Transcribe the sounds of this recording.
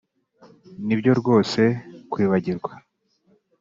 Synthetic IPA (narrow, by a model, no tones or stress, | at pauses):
nibɟo̞ɾɡwo̞ːse̞kwiːβaɟiɾɡwa